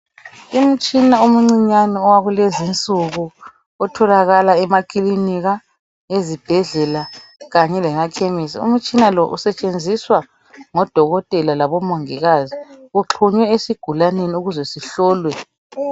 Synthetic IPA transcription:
um̩t͡ʃʼinaum̩ŋ͡ǀiɲanɔɔwaɣulezint͡sʼuɣu | ɔtʰɔlaɣalaɛmakʰʼiliniɣa | ezib̥ʱɛɮɛlaɣaɲɛlɛŋakʰemisiṵm̩t͡ʃʼinalɔʔusɛt͡ʃʼend͡zʱiswa | ŋɔd̥ʱɔɣɔtʼɛlalaβɔmoŋiɣaziuǁʰuɲwɛesiɡ̥ʱulaneniuɣuzwɛsiɬɔːlwɛ

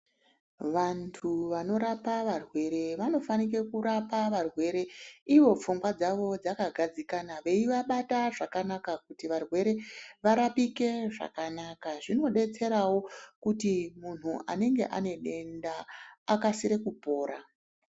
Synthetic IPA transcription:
ʋantʰuʋano̞ɾapaʋarwe̞ɾe̞ʋano̞fanik̬e̞kuɾapaʋarwe̞ɾe̞iʋo̞p͡fuŋɡwad͡zaʋo̞d͡zakaɡʱad͡zikanaʋe̞iʋaɓataʐakanakakutiʋarwe̞ɾe̞ʋaɾapike̞ʐa̰kanakaʐino̞ɗe̞t͡se̞ɾawo̞kutimun̤uʔa̰ne̞ŋɡe̞̰ʔa̰ne̞ɗe̞ndaːkasiɾe̞kupo̞ːɾa

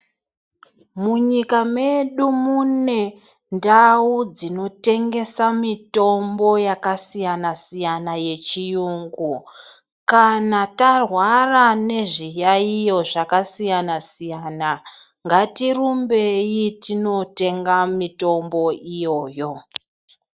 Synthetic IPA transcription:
muɲikame̞ɗumune̞ | ndaud͡zino̞te̞ŋɡe̞samito̞mbo̞jakasijanasijanaje̞t͡ʃijuːŋɡu | kanatarwarane̞ʐijaijo̞ʐakasijanasijana | ŋɡatirumbe̞jitino̞te̞ŋɡamito̞mbo̞ijo̞ːjo̞

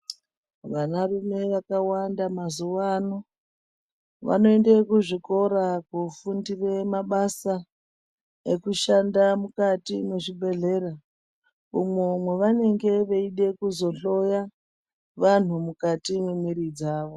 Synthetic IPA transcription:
ʋanarume̞ʋakawandamazuʋano | ʋa̰no̞ende̞kuʐiko̞ɾakufundiremaɓasa | ekuʃandamukatimweʐibʱe̞ɮe̞ːra | umemwe̞ʋane̞ŋɡe̞ʋe̞iɗe̞kuzo̞ɬo̞ja | ʋan̤umukatimwemiɾid͡zaːʋo̞

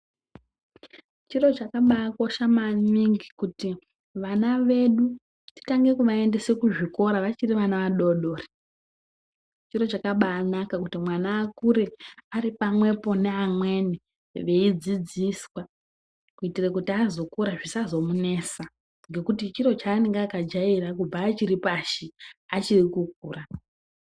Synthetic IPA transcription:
t͡ʃiro̞t͡ʃakaɓaːkoʃamaniŋɡikuti | ʋanaʋe̞ɗu | ti̥taŋɡe̞kuʋae̞nde̞sekuʐiko̞ɾaʋat͡ʃiriʋanaʋaɗo̞ɗo̞ːri | t͡ʃiro̞t͡ʃakaɓaːnakakutimwanaːkuɾe̞aɾipamwe̞po̞ne̞amwe̞ni | ʋe̞id͡zid͡ziswa | kuitirekutiazo̞kuɾaʐisazo̞mune̞sa | ŋɡe̞kutit͡ʃiɾo̞t͡ʃaːneŋɡaːkad͡ʒairak̬ub͡vaːt͡ʃiɾipaʃiat͡ʃirikuk̚uːra

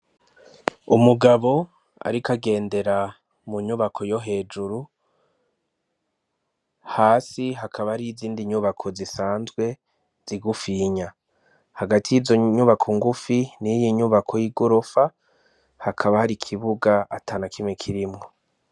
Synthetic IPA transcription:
umuɡaβo̞ | a̰ɾikaɡe̞ːnde̞ɾa | muɲuβakʰo̞jo̞ɦe̞ːd͡ʒuɾu | haːsiɦakʰaβaaɾiziːndiɲuβakʰo̞zisaːnzɡwe̞ | z̥iɡufiɲa | haɡatʰijizo̞ɲuβakʰoŋɡufinijiɲuβakʰo̞jiɡoɾofa | hakʰaβahaɾikʰiβuɡaʔatʰaːnakʰimŋekʰiɾimŋo̞

